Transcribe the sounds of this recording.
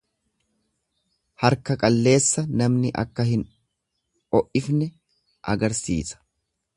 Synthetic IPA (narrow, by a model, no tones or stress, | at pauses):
hɐɾkɐkʼɐlːe̞ːsːɐnɐmnɪʔɐ̰kːɐɦɪn | ʔɔʔɪfnɛ | ʔɐɡɐɾsḭːsɐ̥